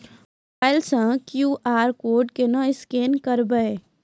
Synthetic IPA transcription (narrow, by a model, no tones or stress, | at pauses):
paɪlsə̃kjuːʔaːɾkoːɾɖkenɐ̃ɪskeːnkɐɾbəe